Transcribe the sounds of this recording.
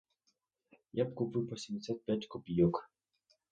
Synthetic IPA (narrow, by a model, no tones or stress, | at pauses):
japkupɪwpɔsʲɛmd̪ʲsʲat̪̚pʲjatʲkɔpʲijɔk